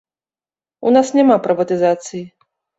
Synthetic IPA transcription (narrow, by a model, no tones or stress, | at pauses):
unasnʲamapɾɨvɐt̪ɨzat̪sɨji